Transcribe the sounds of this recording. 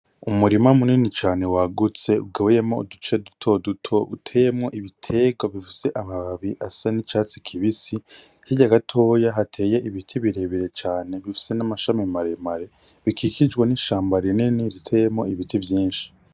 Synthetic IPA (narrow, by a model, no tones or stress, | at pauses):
umuɾimamuninit͡ʃaːne̞waɡut͡se̞ṵb̚ɡewejemoṵdut͡ʃedutʰo̞dutʰo̞ʔutʰe̞ːjemŋo̞ʔiβitʰe̞ːɡaβifise̞ʔamaβaβiʔasanit͡ʃaːt͡si̥kʰiβisi | hiɟaɡatʰoːjaɦatʰe̞ːje̞ʔiβitʰiβiɾe̞βiɾe̞t͡ʃaːne̞βifi̥se̞namaʃamimaɾe̞maɾe̞ | βikʰikʰid͡ʒɡwaniʃaːmbaɾiɾeniniɾitʰejemŋo̞̰iβitivjiːnʃi̥